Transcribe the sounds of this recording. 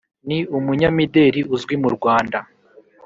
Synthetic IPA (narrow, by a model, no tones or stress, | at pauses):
niumuɲamide̞ɾiuzɡwimuɾɡwaːnda